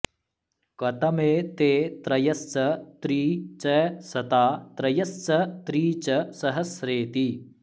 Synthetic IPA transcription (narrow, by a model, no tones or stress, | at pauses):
kɐt̪ɐmeːt̪eːt̪ɾɐjɐst͡ʃɐt̪ɾiːt͡ʃɐsɐt̪aːt̪ɾɐjɐst͡ʃɐt̪ɾiːt͡ʃɐsɐɦɐsɾeːt̪i